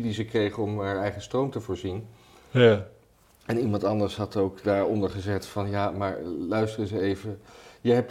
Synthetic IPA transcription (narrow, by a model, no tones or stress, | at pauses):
dizəkrejχənɔmɦaːɹɛjχəstrowmtəvʊːɹzin | ɛnimɑntɑndəɹsɦɑtowkdaːɹɔndəɹχəzɛtfɑnjaːmaːɹlœɥstrəzəejvəjəɦɛp̚